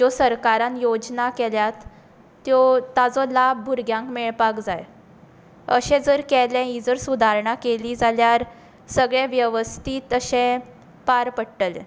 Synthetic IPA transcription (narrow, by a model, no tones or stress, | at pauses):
d͡ʑɔsəɾkaɾãnjod͡znakɛljat̪ː | jɔt̪ad͡zɔlab̚ːʱuɾɡjãŋkmeɭpakd͡za̰j | ə̰ɕɛ̃d͡zəɾkɛlɛ̃id͡zəɾsud̪ʱaɾɳakeliːd͡zaljaɾ | səɡɭẽʋjəʋəst̪ʰiːt̪əɕẽ | paɾpəɽʈəlḛ̃